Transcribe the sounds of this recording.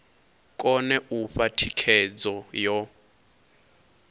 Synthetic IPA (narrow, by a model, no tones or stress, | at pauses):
kʼɔnɛʔufatʰikʰɛd͡zɔjɔ